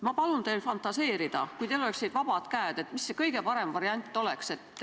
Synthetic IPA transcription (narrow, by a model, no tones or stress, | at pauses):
mɑpɑlunt̪e̞jlfɑnt̪ːˑɑse̞ːɾid̪̥ɑ̰kujt̪eloleksned̪̥vɑb̥ɑd̪̥kæːd̪̥e̞t̪misːekɤjɡe̞pɑɾe̞mvɑɾiɑnʲt̪ːˑo̞le̞kse̞t̪ːˑ